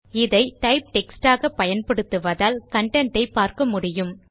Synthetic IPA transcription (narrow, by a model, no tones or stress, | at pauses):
ɪðɐɪʈɐɪp̚ʈɛksʈaːɣɐpːɐjɐnpɐɽɯt̪ːɯʋɐðaːlkɐɳʈɛɳʈɐɪpːaːɾkɐmʊɽɪjɯm